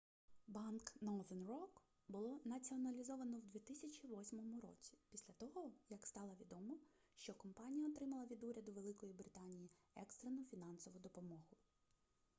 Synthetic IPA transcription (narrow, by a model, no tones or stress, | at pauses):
bɑnknɔd̪ɐnrɔk | bʊlˠɔnɐt͡sʲiɔnɐlʲizɔʋɐnɔwd̪ʋʲit̪ɪsʲɐt͡ʃʲiʋɔsʲmɔmʊɾɔ̰t͡sʲi̥pʲisʲlʲɐt̪ɔɦɔjɐkst̪ɑlˠɐʋʲid̪ɔmɔ | ʃt͡ʃɔkɔmpɑnʲijɐɔt̪ɾɪmɐlˠɐʋʲid̪uɾʲɐd̪ʊʋe̞lˠɪkɔjibɾɪt̪ɑnʲiji | ɛkst̪ɾenɔfʲinɑnsɔʋʊd̪ɔpɔmɔɦʊ